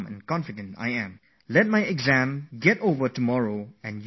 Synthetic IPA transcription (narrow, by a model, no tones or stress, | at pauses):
mɛ̰̃nkɔ̃nfidə̃nta̰jɛ̃m | lɛt̚majɛɡzæ̃mɡɛtovətumɔɹoɛ̃nj